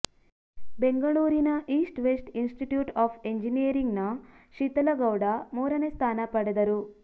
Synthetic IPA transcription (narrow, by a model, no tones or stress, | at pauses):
beŋɡɐɭuːɾinɐʔiːsʈʋesʈinsʈiʈjuːʈaːpʰe̞ɲd͡ʒinijɐɾiŋɡnɐʃʂit̪ɐlɐɡɐwɽɐmɔːɾɐnest̪ʰaːnɐpɐɽɐd̪ɐɾu